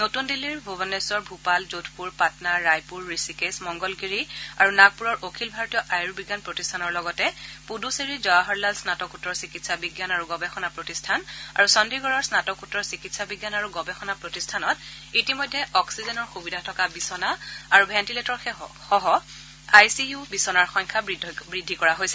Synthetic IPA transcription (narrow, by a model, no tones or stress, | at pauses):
notundiliɹbʱubɛnɛsɔɹbʱupalzotʰpuɹpatnaɹajpuɹːisikesmɔŋɡɔlɡiɹiaɹunaɡ̚puɹɔɹʔokʰilbʱaɹɔtijɔʔajɹbiɡjanpɹotistʰanɔɹlɔɡɔtɛpuduseɹizɔaɦɔɹlalsnatɔkutɹɔɹsikitsabiɡjanaɹuɡɔbɛxɔnapɹotistʰana̰ɹusɔndɹiɡɔɹɔɹsnatɔkutːɹɔɹsikitsabiɡjanaɹuɡɔbɛxɔnapɹotistʰanɔt | itimɔjdʱːɛʔɔksizɛnɔɹxubidʱatʰɔkabisɔnaaɹubʱɛntiletɔɹxɛxɔɦɔ | ajsijubisɔnaɹxɔɲkʰabɹidʱbɹidʱːikɔɹaɦojsɛ